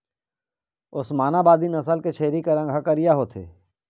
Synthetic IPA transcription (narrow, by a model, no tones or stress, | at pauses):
ʊsmaːnabaːd̪inɐsəlket͡ʃʰeːɾikeɾɐ̃ŋɡʱakəɾɪjaɦot̪ʰḛː